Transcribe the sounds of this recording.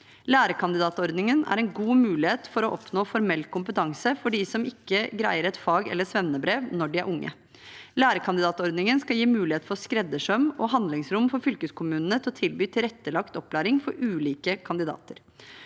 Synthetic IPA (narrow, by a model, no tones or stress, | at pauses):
læːɾəkʰɑnd̪ɪd̪ɑːt̪ɔɾd̪nɪŋənæ̰ɾɛnɡuːmʉːlɪheːt̪fɔɾɔʔɔpnoːfɔɾmɛlːkʰʊmpət̪ʰɑŋsəfɔɖɪsɔmɪkːəɡɾæ̰ɪəɾɛt̪fɑːɡɛ̰lːəsʋɛmnəbɾeːʋnɔɖɪæ̰ɾʔʊŋːʔə̰ | læːɾəkʰɑnd̪ɪd̪ɑːt̪ɔɾd̪nɪŋənskɑljiːmʉːlɪeːt̪fɔɾɔskɾɛd̪ːəʂœmɔɦɑnd̪lɪŋsɾʊmfɔɾfʏlkəskʰʊmʉːnənət̪ʰɪɔt̪ʰɪlbyːt̪ʰɪɾɛt̪ːəlɑkt̪ɔpːlæːɾɪŋfɔɾʉːliːkəkʰɑnd̪ɪd̪ɑ̰ːt̪əɾ